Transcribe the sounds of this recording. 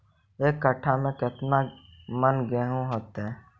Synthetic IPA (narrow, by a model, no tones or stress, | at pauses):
eːkːəʈʰːamẽkɪt̪na | mənɡɛːɦũɦoːt̪ɦɛː